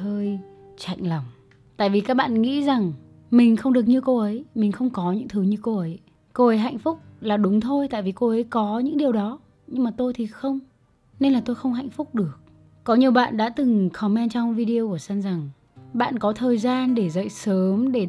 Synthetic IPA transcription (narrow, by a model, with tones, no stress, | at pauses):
əː˧j | t͡ɕa̰˧˨jŋ̟la˨˩ŋ͡m | t̪a̰ː˧˨jvi˨˩kaː˦˥k̚ɓa̰ː˧˨nŋḭ˧˥za˨˩ŋ | mï˨˩ŋ̟xə˧wŋ͡mɗɨ˨˩ək̚ɲɨ˧ko˧ʔə˨˦jmï˨˩ŋ̟xə˧wŋ͡mkɔ˨˦ɲɨ̰˧˥ŋt̪ʰɨ˨˦ɲɨ˧ko˧ʔə˨˦j | ko˧ʔə˨˦jɦa̰˧˨jŋ̟fʊ˦˥k͡p̚laː˨˩ɗʊ˨˦ŋ͡mt̪ʰo˧jt̪a̰ː˧˨vi˨˩ko˧ʔə˨˦jkɔ˨˦ɲɨ̰˧˥ŋɗi˨˩əwɗɔ˨˦ | ɲɨ˧ŋmaː˨˩t̪o˧jt̪ʰi˨˩xə˧wŋ͡m | ne˧nlaː˨˩t̪o˧jxə˧wŋ͡mɦa̰˧˨jŋ̟fʊ˦˥k͡p̚ɗɨ˨˩ək̚ | kɔ˨˦ɲi˨˩əwɓa̰ː˧˨nɗa̰ː˧˥t̪ɨ˨˩ŋxʰɔ˨˦mɛ˧nt͡ɕɔ˧wŋ͡mvi˧ɗi˧ə˧ku˧˩əsa˧nza˨˩ŋ | ɓa̰ː˧˨nkɔ˨˦t̪ʰəː˨˩jzaː˧nɗe˧˩zə̰˧˨jsəː˨˦mɗe˧˩